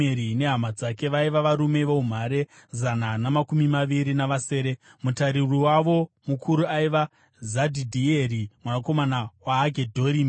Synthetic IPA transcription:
eɾine̞ɦamad͡zake̞ʋaiʋaʋaɾume̞ʋoum̤aɾe̞ | zananamakumimaʋiɾinaʋase̞ːɾe̞mutaɾiriwaʋo̞mukʰuɾuaiʋa | zadʱidʱierimwanako̞manawaːɡʱedʱo̞ɾiːm

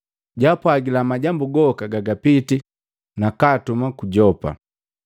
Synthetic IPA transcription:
ɟapwaɡilamaɟambuɡɔkaɡaɡapiti | nakatumakuɟɔpa̰

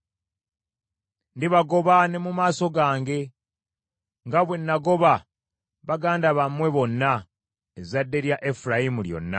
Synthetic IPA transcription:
ndiβaɡo̞βane̞mumaːso̞ɡaːŋɡe̞ | ŋɡaβwe̞nːaɡo̞βa | βaɡaːndaβamwe̞βo̞nːa | ezadːe̞ɾjaʔefuɾajimuljo̞̰nːa̰

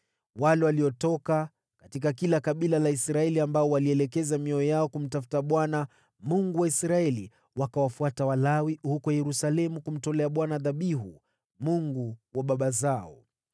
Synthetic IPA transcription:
walɛwaliɔtɔka | katikakilakaɓilalaisɾaɛliambaɔwaliɛlɛkɛzamiɔɔjaɔkum̩tafu̥taɓwana | muŋɡuwaisɾaɛlḭ | wakawafuatawalawihukɔjɛɾusalɛmukum̩tɔlɛaɓwanaðaɓiɦu | muŋɡuwaɓaɓazaɔ

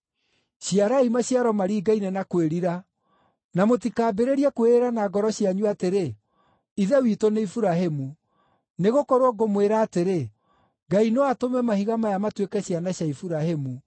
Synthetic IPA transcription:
ɕjaɾaimaɕjaɾɔmaɾiːɡainɛnakweɾiɾa | namotikaːbeɾeɾiɛkoeeɾanaɡɔɾɔɕjaɲuateɾe | iðɛwitoneifuɾaɦemu | neɣokɔɾwɔɡomweɾaːteɾe | ɡainewatomɛmahiɣamajamatwekɛɕjanaɕaifuɾaɦemu

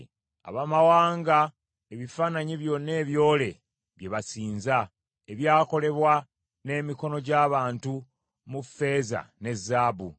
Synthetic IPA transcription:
a̰βamawaːŋɡa | eβifaːnaɲiβjo̞nːe̞ːβjo̞ːle̞ | βje̞βasiːnza | eβjaːko̞le̞βwa | ne̞ːmiko̞no̞ɟaːβaːntu | mufe̞za̰ne̞zːaːbu

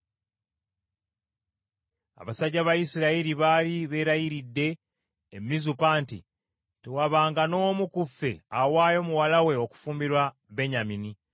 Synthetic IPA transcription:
a̰βasaɟːaβajisiɾaiɾiβaːliβe̞ːɾajiɾidːe̞ː | mizupaːntḭ | tewaβaːŋɡano̞ːmukufe̞̰awaːjo̞ːmuwalawe̞o̞ku̥fuːmbiɾwa | be̞ɲamini

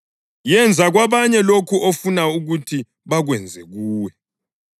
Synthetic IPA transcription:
jɛnd͡zʱaɣwaβaɲɛlokʰuʔofunauɣutʰi | βaɣwɛnd͡zʱɛɣuːwɛ

